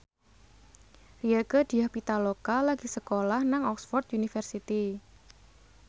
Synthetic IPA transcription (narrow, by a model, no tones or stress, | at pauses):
riəkəd̪̥i̤ahpit̪alokalaɡ̥i̤səkolahnaŋɔksfɔrt̪unifərsit̪i